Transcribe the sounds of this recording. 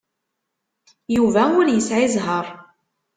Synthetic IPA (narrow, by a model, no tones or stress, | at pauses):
juvæʊljəsʕizɦəɾˤ